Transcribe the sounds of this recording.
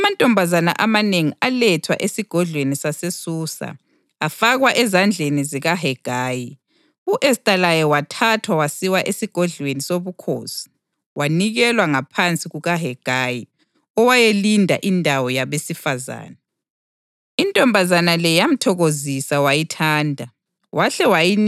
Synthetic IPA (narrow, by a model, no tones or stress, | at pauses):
amantʼɔmbʱazana̰ʔamaneŋialɛtʰwa̰ʔesiɡ̥ʱɔɮwenisasesuːsa̰ː | faɣwaʔɛzand͡ɮʱeniziɣaɦɛɡ̥ʱaːji | uʔɛstʼalajɔwatʰatʰwawasiwaʔesiɡ̥ʱɔɮwenisoβukʰo̰ːsi̥ | waniɣɛlwaŋapʰant͡sʼiɣuɣaɦɛɡ̥ʱaji | ɔwajelindʱa̰ʔindʱawɔjaβesifaza̰ːna | intʼɔmbʱazanalɛjam̩tʰɔɣozisawajitʰaːndʱa | wʔaɬɛwajin